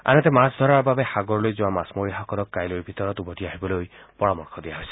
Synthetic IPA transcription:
a̰nɛt̪ɛmasd̪ʱɔɹaɹbabɛxaɡoɹɔlojzuwamasmoɹixakɔlɔkːajloɹbʱit̪ɔɹɔt̪ubɔtiaɦibɔloj | pɔɹamɔɹkʰɔd̪ijaɦojsɛ̥

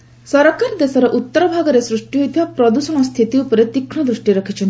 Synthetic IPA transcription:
sɔɾɔkaɾd̪esɔɾɔʔut̪ːɔɾɔbʱaɡɔɾesɾuʂʈiɦojt̪ʰibapɾɔd̪usɔɽ̃ɔst̪ʰit̪iupɔɾet̪ikʰɳɔd̪ɾusʈiɾɔkʰit͡ʃʰɔnt̪i

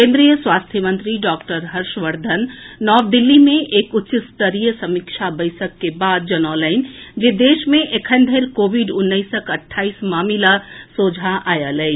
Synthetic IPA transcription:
kẽːnd̪ɾijəswaːst̪ʰjəmə̃nt̪ɾiɖɔːkʈəɾɦəɾʃʋəɾd̪ʱənːɔːʋd̪ɪlːimẽʔeːkʊtːʃɪst̪əɾijəsɐmɪkʃʰabəɪsəkːebaːd̪̚d͡ʒənɔːləɪnd͡ʒed̪eːʃmẽʔekʰə̃nd̪ʱəɪlkoːʋiɖʊnːəɪsəkəʈʰːaːismaːmilasoːd͡ʒʱaʔaːjəlɛː

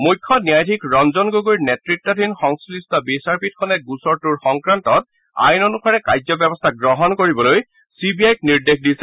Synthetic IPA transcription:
mujkʰːɔnijajtʰikɹɔnzɔnɡoɡujnɛtɹik̚tɔdʱinxɔŋslistɔbisaɹpit̚kʰɔnɛɡusɔɹtuɹxɔŋkɹantɔt̚ | a̰jnonupʰaɹɛkajzɔbɛbɔstʰaɡɹɔɦɔnkoɹibɔloj | sibiajk̚niɹdexdisɛ

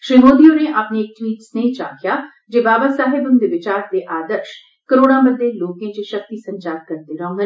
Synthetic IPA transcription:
ʃɾiːmoːd̪ijõneʔapneːk̚ʈwiːʈsnet͡ʃa̰ːkjaː | d͡ʒeːbaːbəsaːɦɪbʊnd̪eʋɪt͡ʃaːɾd̪eːʔaːd̪əɾʃ | kəɾoːɽ̃ãːbəd̪ʱːeloːkẽːt͡ʃeʃək̚t̪isɐ̃nd͡ʒaːt̪̚kəɾt̪eɾɐõɦə

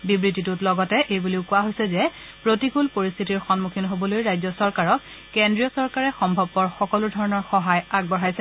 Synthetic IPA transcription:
bibɹititutlɔɡɔtɛʔejbuliʊkʊwaɦojsɛzɛ | pɹotikulpoɹist̪ʰitiɹxɔnmukʰinɦobɔlojɹajzɔsɔɹkaɹɔk̚ː | endɹijɔsɔɹkaɹɛxɔmbʱɔbːɔɹxɔkɔlʊdʱɔɹɔnɔɹxɔɦajaɡ̚bɔɹajsɛ

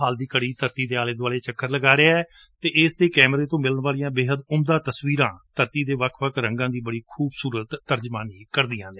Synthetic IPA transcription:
ɦaːld̪iːkəɽiːt̪əɾt̪iːd̪eːaːleːd̪aːleːt͡ʃəkʰːəɾləɡaːɾeaɛː | t̪eːʔɪsd̪eːkɛːmɾeːt̪õːmɪlənʋaːlijãːbeːɦəd̪ʊmd̪ãːt̪əsʋiːɾãːt̪əɾt̪iːd̪eːʋəkʰʋəkʰɾə̃ŋɡãːd̪iːbəɽiːkʰuːbsuːɾət̪ːəɾd͡ʒmaːniːkəɾd̪ɪjãːd̪eː

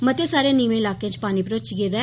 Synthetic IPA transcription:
mət̪esaːɾjẽːniːʋẽːɪlaːkeãːt͡ʃpaːniːpɾoːt͡ʃɡeːd̪a

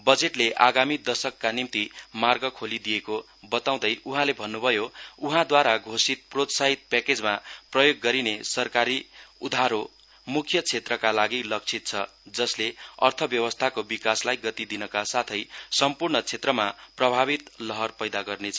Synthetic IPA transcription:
bʌd͡zeʈleʔaɡamid̪ʌsʌkːanimt̪imarɡʌkʰolid̪ijeko | bʌt̪aw̃d̪ʌjuɦãlebʱʌnːubʱʌjouɦãd̪waɾaɡʱosit̪̚prot̪saɦit̪̚pɛked͡zmaprʌjoɡːʌɾinesʌrkaɾiud̪ʱaɾo | mukʰjʌt͡sʰet̪rʌkalaɡilʌk̚t͡sʰit̪̚t͡sʰʌd͡zʌsleʌ̰rt̪ʰʌbjʌwʌst̪ʰakobikaslajɡʌt̪id̪inʌkasat̪ʰʌjsʌmpurɳʌt͡sʰet̪rʌmaprʌbʱaβit̪lʌɦʌrpʌjd̪aɡʌrnet͡sʰʌ

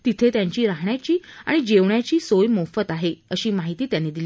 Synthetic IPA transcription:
t̪it̪ʰet̪jaɲt͡ɕiːɾaɦɳjat͡ɕiːa̰ɽ̃id͡ʑeʋɳjat͡ɕiːsojmofət̪aɦeəɕiːmaɦit̪iːt̪janːiːd̪ili

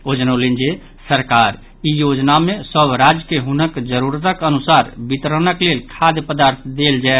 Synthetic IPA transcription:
od͡ʒnəlind͡ʒe | səɾkaɾ | ijod͡ʒnamesəbɾad͡ʒəkeɦunəkd͡ʒəɾuɾt̪əkənusaɾbit̪ɾənəklelkʰad̪jəpəd̪aɾt̪ʰd̪eld͡ʒae

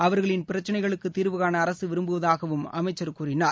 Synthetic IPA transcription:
ɐʋɐɾɣɐɭɪnpɪɾɐt͡ʃːɐnɐɪɣɐɭɯkːɯt̪ːiːɾʋɯɣaːnɐːɾɐsɯʋɪɾɯmbɯʋɐðaːɣɐʋɯmɐmɐɪt͡ʃːɐɾkuːrɪnaːɾ

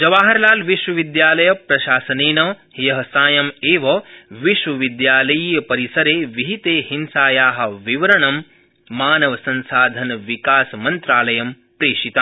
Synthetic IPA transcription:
d͡ʒɐʋaːɦɐɾlaːlʋiʃʋɐʋid̪jaːlɐjɐpɾɐʃaːsɐneːnɐhjɐɦɐsaːjɐmeːʋɐʋiʃʋɐʋid̪jaːlɐjiːjɐpɐɾisɐɾeːʋiɦit̪eːhinsaːjaːɦɐ̆ʋiʋɐɾɐɳɐmː | aːnɐʋɐsɐ̃nsaːd̪ʱɐnɐʋikaːsɐmɐnt̪ɾaːlɐjɐm | pɾeːʂit̪aː

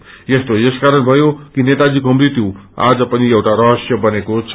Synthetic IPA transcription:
jest̪ojeskaɾʌnbʱʌjokinet̪ad͡zikoɦʌmɾit̪joa̰d͡zʌpʌniewʈaɾʌɦʌsjʌbʌnekot͡sʰ

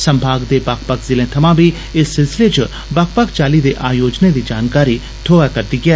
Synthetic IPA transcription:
sɐ̃mbʱaːɡd̪ebaːkpakzɪlẽt̪ʰɐmãbʱi | ɪsːɪlsɪlet͡ʃ | baːk̚pakt͡ʃaːlid̪eʔaːjoːd͡ʒned̪id͡ʒaːnkaːɾi | t̪ʰoːʋakɐɾd̪iɡɪɛ

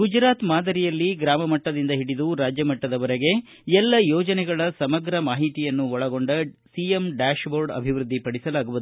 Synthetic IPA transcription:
ɡud͡ʒɾaːt̪maːd̪ɐɾijɐlːiɡɾaːmɐmɐʈːɐd̪ind̪ɐɦiɽid̪uɾaːd͡ʒjɐmɐʈːɐd̪ɐʋɐɾeɡe̞ | ɛlːɐjɔːd͡ʒɐnɛɡɐɭɐsɐmɐɡɾɐmaːɦit̪ijɐnːuɔɭɐɡo̞ɳɖɐsijemɖaːʃboːɾɖɐ̰bʱiʋɾud̪ʱːipɐɽisɐlaːɡuʋud̪uu

